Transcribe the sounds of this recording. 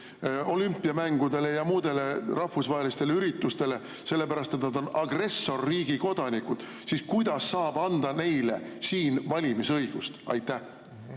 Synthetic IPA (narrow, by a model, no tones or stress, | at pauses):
o̞lympːˑiɑmæŋɡ̥ud̪̥e̞le̞jɑmuːd̪̥e̞le̞rɑhfusvɑɦelist̪e̞leyɾit̪ːˑust̪e̞le | se̞lːe̞pæɾɑst̪e̞t̪nɑd̪̥o̞nɑɡ̥re̞sːo̞rːiːɡ̥iko̞d̪̥ɑnikud̪̥ | siskujd̪̥ɑsːɑːb̥ɑnd̪ɑne̞jle̞̰siːnvɑlʲimisɤjɡ̥ust̪ɑ̰jt̪ˑːæ